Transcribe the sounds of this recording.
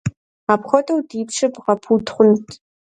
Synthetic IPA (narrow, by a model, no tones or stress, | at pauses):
apχʷɔtʼɐwdiːpʂɨpʁɐpʰuːtʰχʷʊntʰ